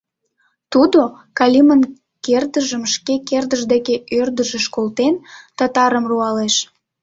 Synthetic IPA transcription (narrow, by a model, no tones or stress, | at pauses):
t̪ud̪o | kɑlʲimən | kerd̪əʒəmʃkekerd̪əʒd̪ekeørd̪əʒeʃkolt̪ent̪ət̪ɑɾəmruɑleʃ